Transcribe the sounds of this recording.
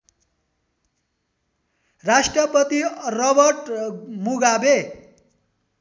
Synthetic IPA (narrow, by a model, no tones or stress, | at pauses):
ɾaʂʈɾʌpət̪iɾʌbəɾʈmuɡabe